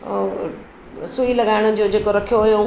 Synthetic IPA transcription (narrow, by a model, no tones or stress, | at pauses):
suilɐɠaːɪɽ̃ʊ̆d͡ʑod͡ʑeːkoɾɐkʰijoɦʊjo